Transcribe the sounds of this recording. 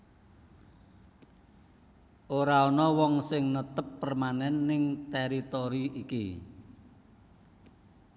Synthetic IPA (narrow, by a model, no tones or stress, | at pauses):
ʔoɾaɔnɔwɔŋsɪŋnət̪əpːərmanɛnːɪŋt̪ɛɾit̪oɾiʔikḭ